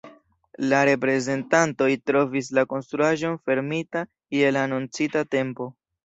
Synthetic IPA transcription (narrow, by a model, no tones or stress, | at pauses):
laɾe̞pɾe̞ze̞ntanto̞jtɾo̞vis̬lako̞nst̪ɾuaʒo̞nfe̞ɾmita | kielaːnunt͡sitate̞mpo̞